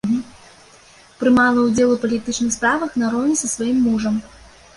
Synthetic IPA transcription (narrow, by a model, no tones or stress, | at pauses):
pɾɨmalˠɐwd͡zʲɛlˠupɐlʲit̪ɨt͡ʂnɨxspɾavɐxnaɾɔnʲisɐsvajimːuʐɐm